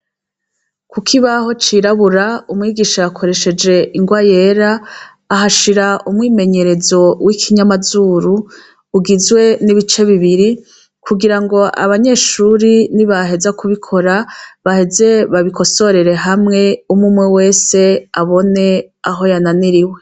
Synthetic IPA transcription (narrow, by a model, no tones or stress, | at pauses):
kukʰiβaho̞t͡ʃiɾaβuɾaumŋiːɡiːʃaːkʰo̞ɾe̞ʃe̞d͡ʒe̞iŋɡwaje̞ːɾaː | ɦaʃiɾaumŋiːme̞ɲe̞ɾe̞zo̞wikʰiɲamazuɾuː | ɡizɡwe̞niβit͡ʃe̞βiβiɾi | kʰuɡiɾaŋɡo̞a̰βaɲe̞ːʃuːɾiniβaɦe̞zakuβikʰo̞ɾaβahe̞ze̞βaβikʰo̞so̞ɾe̞ɾe̞ɦamŋe̞umumŋewe̞ːse̞aβo̞ne̞aɦo̞jananiɾiwe